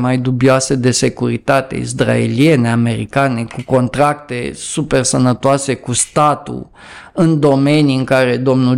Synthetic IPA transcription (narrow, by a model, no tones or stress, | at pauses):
majd̪ubioased̪e̞se̞kuɾit̪at̪e̞̰ḭzd̪ra̰ḛlie̞ne̞ame̞ɾḭkane̞kuko̞nt̪ɾak̚t̪e̞̰supe̞rsənət̪oase̞kust̪at̪ṵ | ɨnd̪o̞me̞nijɨŋkaɾe̞d̪o̞mnu